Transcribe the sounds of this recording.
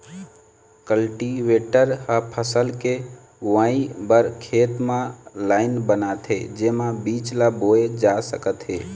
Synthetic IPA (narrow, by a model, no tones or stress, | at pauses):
kəlʈiʋeʈəɾhəpʰəsəlke | ɡʋaibəɾkʰeːt̪mãlaːɪnbənat̪ɦḛd͡ʒemãbit͡ʃlaboed͡ʒasəkət̪ɦe